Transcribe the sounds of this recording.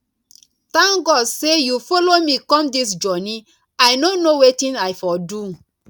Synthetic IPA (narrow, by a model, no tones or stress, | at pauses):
tãŋɡɔdsejufolomikɔ̃mdisd͡ʒɔnĩ | ajnonowetĩnajfɔdu